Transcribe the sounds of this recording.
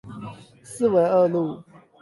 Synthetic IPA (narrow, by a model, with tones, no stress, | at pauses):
sɹ̩˥˨we˧˥ɪə˥˧lu˥˩˨